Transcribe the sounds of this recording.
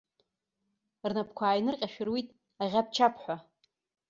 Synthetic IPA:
rnapʰkʷʰaːjnɨrqʲʼaʃᶣɪrwitʼ | aʁʲap̚ʰt͡ʃʰapʰħʷa

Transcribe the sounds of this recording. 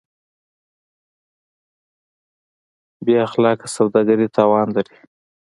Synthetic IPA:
bjeaxlɑkḁsawd̪ɑɡaɾit̪ʰɑːwɑnlaɾi

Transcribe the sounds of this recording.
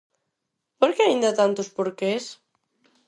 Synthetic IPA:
poɾkeaĩnd̪at̪ant̪ʊspoɾkes

